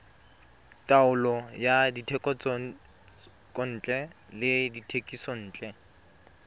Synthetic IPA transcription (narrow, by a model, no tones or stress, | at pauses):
tʼaʊlɔjaditʰɛkʼɔt͡s | kʼɔn̩ːt͡ɬʼɛ | lɪditʰekʼisɔn̩ːt͡ɬʼɛ